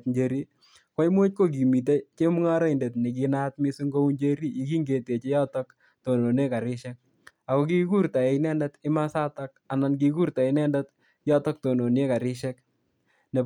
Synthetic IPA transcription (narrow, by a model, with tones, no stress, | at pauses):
tɲd͡ʒe˦ɾi˦ | kɔ˦i˦mwo˦t̚ko˦k̬i˨mi˨t̬e˦t͡ʃe˦mu˦ŋa˦ɾa˦i˨nde˨tni˨k̬i˧na˦tmi˦su˦ŋɡo˦u˦ɲd͡ʒe˦ɾi˦i˦ki˦ŋɡe˨te˨t͡ʃe˦jɔ˦tɔ˦k | to˨no˨ne˦ka˨ɾɪ˦ʃɛ˦k̚ | a˨kɔ˦ki˦ku˦ɾta˨e˨nɛ˦ndɛtɪ˦ma˦sa˦ta˦ka˨na˨nk̬i˦ku˦ɾta˨ɪ˨nɛ˦ndɛ˦t | jɔ˦tɔ˦k̚to˨no˨n˦e˦ka˨ɾɪ˦ʃɛ˦k | ne˨